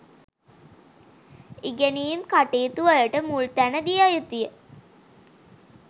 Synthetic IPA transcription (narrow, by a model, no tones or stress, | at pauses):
iɡæniːmkaʈeːt̪uʋəjəʈəmult̪ænəd̪ijajət̪ujə